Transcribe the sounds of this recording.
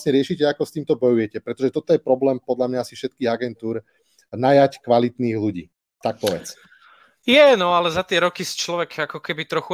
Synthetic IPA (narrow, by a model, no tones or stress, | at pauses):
sɲɛɾɪɛʃicɛakɔst̪iːmt̪ɔbɔjujɛcɛpɾɛt̪ɔʒɛt̪ɔt̪ɔjɛpɾɔblɛːmpɔd̪lamɲaasifʃɛt̪̚kiːɣaɡɛnt̪uːɾ | najackʋalit̪niːɣluɟḭː | t̪ak̚tɔʋɛ̰t͡s | jɛnɔalɛzat̪ɪɛɾɔkist͡ʃlɔʋɛkʰakɔkɛbit̪ɾɔxu